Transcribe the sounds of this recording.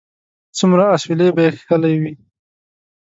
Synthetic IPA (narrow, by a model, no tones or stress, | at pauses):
t͡sumɾaaswɪlebajexkəlajwi